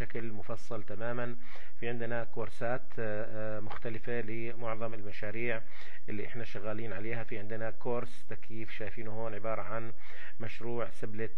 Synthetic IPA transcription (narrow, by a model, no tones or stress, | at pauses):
ʃaklmʊfɑsˤːɑlt̪amaːman | fiʕɪnd̪ɪnakoːɾsaːt̪ | mʊxt̪alɪfalɪ | mʊʕðˤɑmɪlmaʃaːɾiːʕ | ʔɪlːiʔɪħnaʃaɣːaːliːnʕaleːhafiʕɪnd̪nakoːɾst̪akjiːfʃaːjfiːnhoːnʕɪbɑːɾˤɑʕan | maʃɾuːʕsɪblɪt̪